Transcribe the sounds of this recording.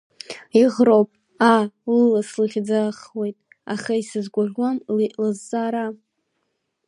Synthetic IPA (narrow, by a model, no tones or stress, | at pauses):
iʁrowpʼ | alɨlaslɨχʲd͡zaχwe̞jtʼ | aχaisɨzɡʷaʒʲʷamlɨzːaːɾa